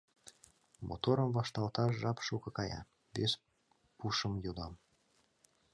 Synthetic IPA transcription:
mʔo̰t̪oɾəmvɑʃt̪ɑlt̪ɑʃʒɑpʃukɤ̆kɑjɑ̰ | vʲes | puʃəmjod̪ɑm

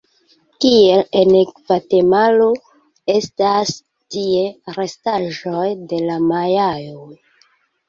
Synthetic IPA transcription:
kie̞lenekvate̞malo | estas | tie̞ɾe̞staʒo̞jde̞lamajajoj

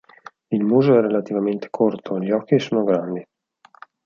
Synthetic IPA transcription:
ilmuːzoɛrelat̪ivament̪ʰe̥kʰort̪ʰoeʎiɔkːisoːnoɡɾand̪i

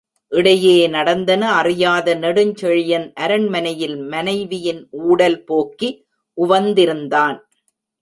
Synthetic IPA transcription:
ʔɪɽɐjeːnɐɽɐnd̪ɐnɐɐrɪjaːðɐnɛɽɯɲt͡ʃɛɻɪjɐnʔɐɾɐɳmɐnɐjɪlmɐnɐɪʋɪjɪnʔuːɽɐlpoːkːi | ʔʊʋɐnd̪ɪɾɯnd̪aːn

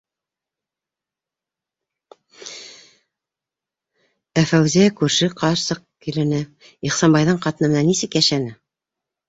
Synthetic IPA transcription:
æfæwziækʉɾʃɘqʰɑɾsɤq̚kilɘ̆nɘ | iχsɑnbɑjðɤɴqɑt̪ɤ̆nɤ̆nɑnisɘkjæʃænɘ

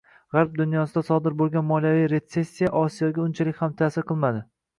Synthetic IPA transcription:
ʁaɾb̚d̪ʊnjɒsɪd̪asɒd̪ɪɾbolˠɡʲanmɒlˠjavijɾe̞t̪se̞sʲːijaʔɒsijɒɡʲaʊnt͡ʃʰalɪkʲhamt̪ʰasɪɾqʰɨlˠmad̪ɪ

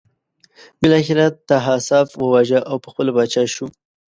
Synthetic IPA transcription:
bɪlɑxɪɾat̪aɦasɑfwəwaʒaʔawpəxpəlobɑt͡ʃɑʃu

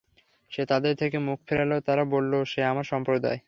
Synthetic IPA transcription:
ʃet̪ad̪eɾt̪ʰekemukfeɾalot̪aɾabolːoʃeamaɾʃɔmpɾod̪a̰e

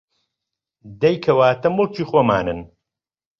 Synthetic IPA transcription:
d̪ɐjkʰɐwaːt̪ɐmɨlˠt͡ʃiːxoːma̰ːnɨ̰n

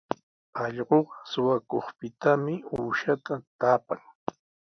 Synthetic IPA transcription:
ɑʎɢoɢɑsʊwakoχpɪt̪amɪuːʃat̪at̪aːpaŋ

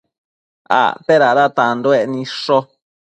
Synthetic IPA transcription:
a̰t̪eɾaɾat̪and̪oenĩʂo

